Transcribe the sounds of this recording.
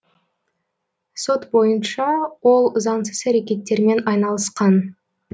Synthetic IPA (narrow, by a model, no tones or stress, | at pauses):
so̞t̪bo̞jənʃɑwo̞lˠʊzɑɴsəzæɾekʲe̞t̪ːe̞ɾme̞nɑjnɑlˠəsqɑn